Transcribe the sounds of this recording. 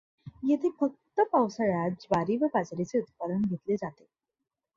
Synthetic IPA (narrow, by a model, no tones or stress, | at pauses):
jet̪ʰefək̚t̪əpawsaɾad͡ʑbaɾiʋəbad͡zɾit͡seut̪̚pad̪ənɡʱet̪led͡zat̪e